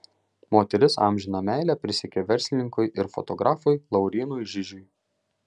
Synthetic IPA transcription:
moːt̪ʲɛɾʲɪsɑ̰ˑmʲʒʲɪnomʲæˑɪlʲæːpʲɾʲɪsʲɪkʲeʋʲɛɾʲsʲlʲɪnʲɪŋkʊɪʔɪɾfɔ̰t̪ɔɡɾʔɑːfʊjlˠɐʊɾʲiːnujʒʲɪʒʲʊj

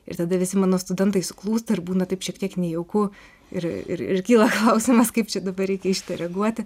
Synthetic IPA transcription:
ɪ̰ɾt̪ɐd̪ɐʋʲɪsʲɪmɑːnoːst̪ʊdʲɛnt̪ɐɪsʊklˠuːst̪ɐɪɾbuːnɐt̪ɐɪpʃʲiɛkt̪ʲiɛknʲɛjɛʊkʊ | ɪ̰ɾɪ̰ɾɪ̰ɾkʲiːlˠɐklˠɐʊsʲɪmɐskɐɪpt͡ʃʲɛd̪ɐbɐɾʲɛɪkʲɛɪʃt̪ʲɐɾʲɛɡuɔt̪ʲɪ

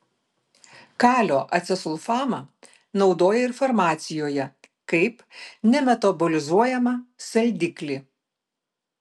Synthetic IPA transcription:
kɑːlʲoːʔɐt̪sʲɛsʊlˠfɑːmɐ | nɒʊd̪oːjɛɪɾfɔɾmɑːt̪sʲɪjoːjɛ | kɐɪpnʲɛmʲɛt̪ɐbɔlʲɪzuɔjɛmɐsɐlʲd̪ʲɪklʲi

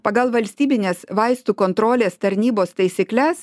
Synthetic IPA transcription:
pɐɡɐlˠʋɐlʲsʲt̪ʲiːbʲɪnʲeːsʋɐɪst̪uːkoːnt̪ɾoːlʲeːst̪ɐɾʲnʲiːboːst̪ɐɪsʲɪklʲɛs

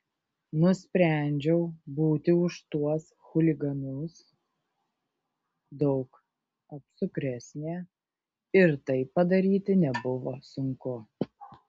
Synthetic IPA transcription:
nʊsʲpʲɾʲæˑnʲd͡ʒʲɛʊbuːt̪ʲɪʊʃt̪uɔs | xʊlʲɪɡɐnʊs | d̪ɒʊk | ɐpsʊkɾʲɛsʲnʲeː | ɪɾt̪ɐɪpːɐd̪ɐɾʲiːt̪ʲɪnʲɛbʊʋoːsʊŋkʊ

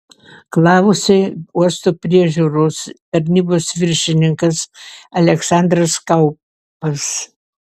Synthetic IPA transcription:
klˠɑːʋʊsʲɪuɔst̪oːpʲɾʲiɛʒʲuːɾoːst̪ɐɾʲnʲiːboːsʋʲɪɾʲʃʲɪnʲɪŋkɐsɐlʲɛksɑˑnd̪ɾɐskɐʊ | pɐs

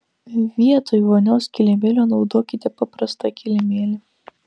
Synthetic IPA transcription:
ʋʲiɛt̪oːjɔnʲoːskʲɪlʲɛmʲeːlʲoːnɒʊd̪oːkʲɪt̪ʲɛpɐpɾɐst̪ɐkʲʰɪlʲɛmʲeːlʲe

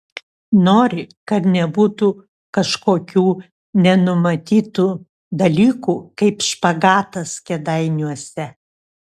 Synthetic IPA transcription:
noːɾʲɪkɐt̪nʲɛbuːt̪u | kɐʃkoːkʲuː | nʲɛnʊmɐt̪ʲiːt̪uː | d̪ɐlʲiːkuːkɐɪpʃpɐɡɑːt̪ɐskʲɛd̪ɐɪnʲuɔsʲɛ

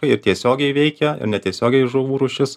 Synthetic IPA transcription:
ɐɪɪɾt̪ʲiɛsʲoːɡʲɛɪʋʲɛɪkʲɛɪ̰ɾnʲɛt̪ʲiɛsʲoːɡʲɛɪʒoʋuːɾʊːʃʲɪs

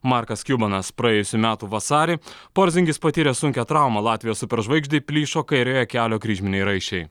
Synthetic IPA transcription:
mɑːˑɾkɐskʲuːbɐnɐspɾɐjeːjʊsʲumʲæːt̪uːʋɐsɑːɾʲepoːɾʲzʲɪŋɡʲɪspɐt̪ʲiːɾʲɛsʊŋʲkʲɛt̪ɾɑˑʊmɑlˠɑːt̪ʲʋʲɪjoːsʊpʲɛɾʒʋɐɪɡʒʲd̪ʲɛɪpʲlʲiːʃoːkɐɪɾʲoːjɛkʲæːlʲoːkɾʲiːʒʲmʲɪnʲɛɪɾɐɪʃʲɛɪ

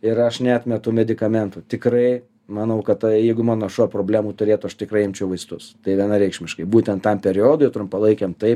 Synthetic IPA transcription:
ɪɾɐʃnʲɛɑːt̪ʲmʲɛt̪ʊmʲɛd̪ʲɪkɐmʲɛnt̪ʊːt̪ʲɪkrɐɪ | mɐnɐʊkɐt̪jɛɪɡʊmɑːnoːʃuːpɾoːbʲlʲæːmuːt̪ʊɾʲeːt̪ʊɐʃt̪ʲɪkɾɐɪɪmʲt͡ʃʲɛʊʋɐɪst̪ʊst̪ɐɪʋʲiɛnɐɾʲɛɪkʃʲmʲɪʃkɐɪbuːt̪ʲɛnt̪t̪ːɐmpʲɛɾʲɪoːd̪oːjt̪ɾʊmpɐlˠɐɪkʲemt̪ɐɪp

